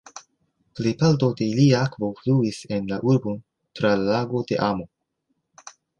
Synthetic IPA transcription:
plejpaltode̞iliaakvofluise̞nlaʔuɾbon | tɾallaɡo̞de̞̰ʔamo̞

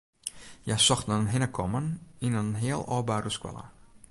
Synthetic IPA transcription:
jasɔxtnənɦɪnəkʰɔməninənɦɪəlˠɔ̰ːbaːruskwɛ̰lˠə̰

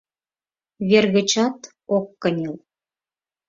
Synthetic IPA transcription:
βerɣə̆t͡ɕɑt̪ | okːə̆nʲel

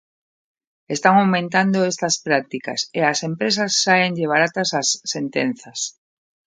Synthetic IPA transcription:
est̪aŋawmẽnt̪and̪oest̪ɐspɾak̚t̪ikɐ̰seasempɾesɐsːaeŋʎeβ̞aɾat̪ɐsasːent̪en̟θɐs

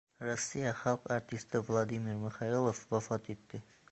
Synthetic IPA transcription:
ɾasːijaχalˠqaɾt̪ʰist̪ɪvlˠɑd̪imiɾmɪχɑilˠofwafɑt̪et̪ːɪ

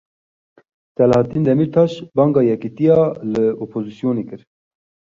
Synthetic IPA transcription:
sɛlhɑt̪ind̪ɛmiɾt̪ʰɑːʃbɑːŋɡɑːjɛkit̪ijɑːlɨopʰozisijoːneːkɨɾ

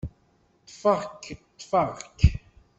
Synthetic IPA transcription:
t̪faʁkt̪faʁk

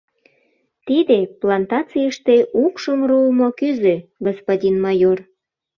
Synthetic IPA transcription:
t̪id̪eplɑnt̪ɑt͡sijəʃt̪eʔukʃəmrumokyzøɡospodʲinmɑjor

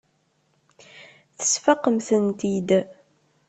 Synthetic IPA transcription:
θə̥sfaqːəmθənt̪id̪

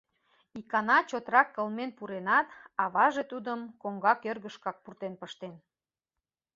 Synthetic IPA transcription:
ikɑnɑt͡ɕot̪ɾɑkːəlmenpuɾenɑt̪ɑβɑʒet̪ud̪əmkoŋɡɑkørɣəʃkɑk̚purt̪enpəʃt̪en

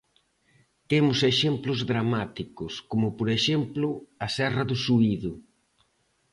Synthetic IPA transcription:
t̪emʊseʃemplʊzðɾamat̪ikʊskomʊpoɾeʃemplʊɐsɛrɐðʊsuiðʊ

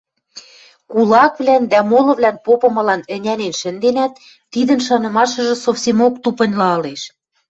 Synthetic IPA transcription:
kulɑkβlænd̪æmolɤ̆βlænpopɤ̆mɤ̆lɑnɘ̆nʲænenʃɘ̆nd̪enæt̪ː | id̪ə̆nʃɑnɤ̆mɑʃɤ̆ʒɤ̆sofsemokt̪upɤ̆nʲlɑɤleʃ

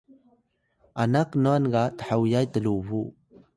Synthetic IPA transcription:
ʔanaknuanɡat̪ə̥ħawjajtəluvu

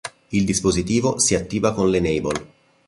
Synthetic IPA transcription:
ild̪ispozit̪iːvosiat̪ːiːvakonlenejbol

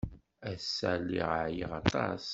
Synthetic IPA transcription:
æsːælːiʁəʕjəʁɑt̪ˤɑ̰s

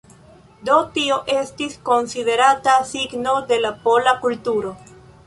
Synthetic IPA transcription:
d̪otioʔe̞stisko̞nside̞ɾatasiɡno̞d̪e̞lapo̞lakultuɾo̞

